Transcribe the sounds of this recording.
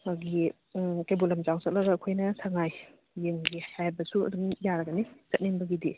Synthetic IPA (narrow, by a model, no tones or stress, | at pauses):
aɡi | kajbulɐmzawsɐt̚lɐɡɐkʰojnɐsʰaŋajː | eŋɡihajbɐsuɐ̰dumjaɾɐɡɐnisɐt̚ninbɐɡidi